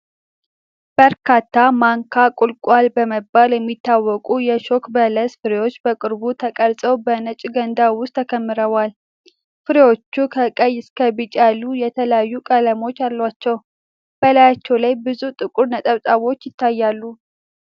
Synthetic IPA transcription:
b̥əɾkʰat̪ʰːamaŋkʰakʼulkʼwalbəməbaljɛmːit̪ːawːɔkʼujɛʃo̞kbələsfɨɾewo̞t͡ʃːbəkʼɨɾbut̪ʰəkʼəɾsʼəwbənət͡ʃʼɡənd̪awʊst̪ʰːəkʰəmːɨɾəβal | fɨɾewo̞t͡ʃːukʰəkʼəjːɪskʰəβit͡ʃʼalujɛt̪ʰələjajːukʼələmo̞t͡ʃːalːwat͡ʃːɛw | b̥əlajat͡ʃːɛwlajbɨzut̪ʼɨkʼuɾnət̪ʼəβt̪ʼaβo̞t͡ʃːjɪt̪ʰːajːalːu

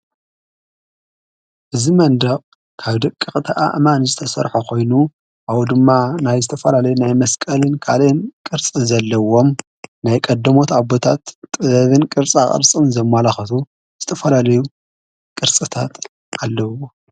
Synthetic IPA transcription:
ʔɨzimɐnd̪ɐχʼ | kʰaβd̪ɐkʼːɨxʼt̪ʰiʔa̰ʔmanzɨt̪ʰɐsɐ̰ɾħokʰo̞jnu | ʔawd̪ɨmːanajzɨt̪ʰɐfɐlalɐjunajmɐskʼɐlɨnkʰalnkʼɨɾt͡sʼizɐlːɐwo̞m | najkʼɐd̪ːɐmo̞t̪abot̪ʰa̰t̪ʼːɨɐβɨnkʼɨɾt͡sʼa̰χʼɨ̰ɾt͡sʼɨnzɐmːalaxɐt̪ʰu | z̥ɨt̪ʰɐfɐlalɐju | kʼɨɾt͡sʼɨt̪ʰa̰t̪ | ʔalːɐwo

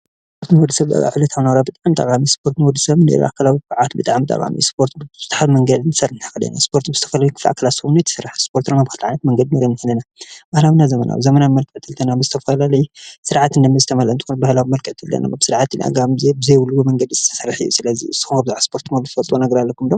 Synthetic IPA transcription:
spʰo̞ɾt̪nɨwɔd̪ːɨsɐβt̪a̰ɡa̰ʕlɐt̪ʰawnɐwɾabɨt̪ʼaʕmt̪ʼɐ̰kʼamispʰo̞ɾt̪nɨwɔd̪ɨsɐβnḛɾ̰ʔa̰kʰalawikʕat̪bɨt̪ʼaʕmt̪ʼɐ̰kʼa̰mḭspʰo̞ɾt̪zɨt̪ʰħalmɐŋɡɐd̪insɐrnt̪ʰɐ̥xɐd̪ɐ̰na̰spʰo̞ɾt̪bɨz̥ɨt̪ʰɐfɐlajukʰɨ̥flʔa̰kʰːalasɐβunujt̪ʰsɨɾaħspʰo̞ɾt̪namaβxɨlʕajnɐt̪mɐŋɡɐd̪inoɾinːɨħɨlɐnabahlawinazɐmɐnʔa̰wḭzɐmɐnamɐlkʼɨʕt̪ʰɨlt̪ʰɐnamɨzɨt̪ʰɐfɐlalɐjusɨɾʕat̪ɨnd̪ɐmɐzɨt̪ʰɐmɐlɐnt̪ʼɨxunbahlawimɐlkʼɨʕt̪ʰɨldɐ̰na̰absɨɾʕat̪ɨnʔa̰ɡamzebɨzejwulːuwomɐŋɡɐd̪izɨt̪ʰɐ̥sɐrːħɨjːṵsɨlɐzḭɨsːɨ̥xumabɨzaʕspʰo̞ɾt̪mɐlt̪ɨfɐlt̪ʼwonɐɡɐɾalːɐkʰumd̪om

